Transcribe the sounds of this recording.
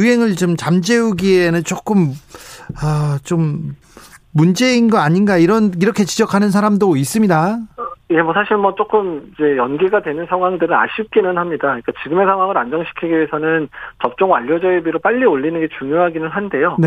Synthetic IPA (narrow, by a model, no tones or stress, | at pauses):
uɦe̞ŋɯɭt͡ɕomt͡ɕamd͡ʑe̞uɡienɯnt͡ɕ͈ok͈ɯm | ʌt͡ɕomː | und͡ʑe̞inɡʌaɲinɡaiɾʌniɾʌkʰe̞t͡ɕid͡ʑʌkʰanɯns̬ʰaɾamdois͈ɯmɲidaiɡemʌsʰaɕʰiɭmwʌt͡ɕ͈ok͈ɯmid͡ʑe̞jʌnɡiɡadwe̞nɯnsʰaŋɦwaŋdɯɾɯna̰ɕʰip̚k͈inɯnhamɲidaik͈at͡ɕiɡɯme̞sʰaŋwaŋɯɾand͡ʑʌŋɕʰi̥kʰiɡiɥesʰʌnɯnt͡ɕʌp̚t͡ɕ͈ʌŋwaʎːʌd͡ʑʌebiɾop͈aʎːioɭːinɯnɡe̞t͡ɕuŋjoɦaɡinɯnɦande̞jone